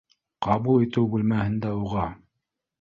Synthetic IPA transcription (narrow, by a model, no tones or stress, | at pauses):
qɑbulˠit̪ɘwbʉlmæhɘ̆nd̪æuʁɑ